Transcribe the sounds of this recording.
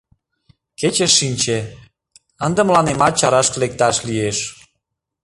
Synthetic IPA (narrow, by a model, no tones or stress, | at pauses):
ket͡ɕeʃːinʲt͡ɕe | ənd̪ə̆mlɑnemɑt̪̚t͡ɕɑɾɑʃklek̚t̪ɑʃlieʃ